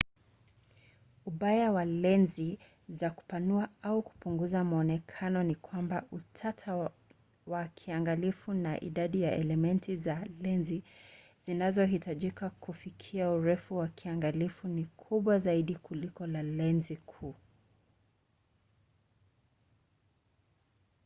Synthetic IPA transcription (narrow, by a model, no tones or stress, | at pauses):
uɓajawalɛnzi | zaku̥panuaauku̥puŋɡuzamaɔnɛkʰanɔnikwambaʔutʰatʰa | wakʰiaŋɡalifunaʔḭɗaɗijaɛ̰lɛmɛntizalɛnzi | z̥inazɔɦitaʄikakufikʰiauɾɛfuwakʰiaŋɡalifunikʰuɓwazaiɗikulikɔlalɛnzikʰuː